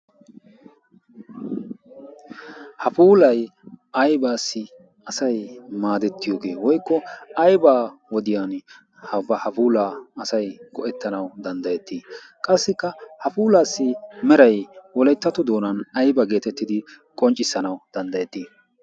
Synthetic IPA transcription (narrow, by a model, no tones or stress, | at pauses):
hɐfuːlɐj | ɐjbaːsːɪ | ɐsɐjmaːd̪ɛt̪ːɪjo̞ːɡe̞ːwɔjkːɔɐjbaːwɔd̪ɪjaːn | hɐbɐhɐfuːlaːɐsɐjɡ̥ɔʔɛt̪ːɐnɐwd̪ɐnd̪ɐjɛt̪ːiː | kʼɐsːɪkːɐhɐfuːlaːsːɪmɛɾɐjwɔlɛjt̪ːɐt̪ɔd̪o̞ːnɐnɐjbɐɡe̞ːt̪ɛt̪ːɪd̪ɪ | kʼɔnt͡ʃʼːɪsːɐnɐwd̪̥ɐnd̪ɐjɛt̪ːiː